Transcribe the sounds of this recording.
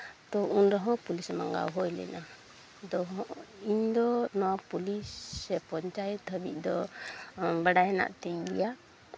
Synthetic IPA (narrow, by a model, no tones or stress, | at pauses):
t̪ɔunɾɔɦɔ̃pulismaŋɡa̰wɦɔjlɛ̰na | d̪ɔɦɔ̃ʔiɲd̪ɔnɔwapulisːɛpɔɲt͡ʃajɛt̪̚həbḭc̚d̪ɔ | baɖajɛna̰ʔt̪ɛɲɡḭja